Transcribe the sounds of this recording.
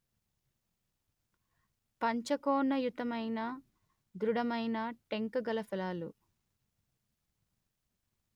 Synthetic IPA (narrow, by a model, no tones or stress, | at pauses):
pɐɲt͡ʃɐkɔːnɐjut̪ɐmɐjnɐ | d̪ɾuɽɐmɐjnɐʈe̞ŋkɐɡɐlɐpɐlaːlṵ